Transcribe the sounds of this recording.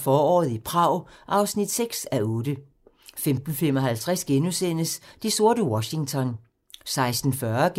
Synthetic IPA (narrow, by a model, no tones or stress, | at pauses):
fɒːɒ̰ːð̞̩ˠipʰʁɑ̈ʊ̰ʔɑ̈ʊsnid̥seɡ̥sæɔːd̥ə | femd̥n̩femɒ̽ɦælt͡sʰʁasɡ̥enusen̰əsd̥iso̝ɐɾ̥əwɒɕi̝ŋt͡sʰɒ̽n | sɑ̈ɪsd̥n̩fɶɐɡ̥